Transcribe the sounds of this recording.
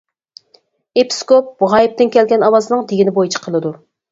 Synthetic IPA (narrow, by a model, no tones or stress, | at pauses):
epʰi̥skop̚buʁɑjip̚t̪ɪnkʲʰɛlɡʲɛnɑwɑzɨnɨŋd̪eɡʲinɪbojit͡ʃʰi̥qʰəlˠɨd̪u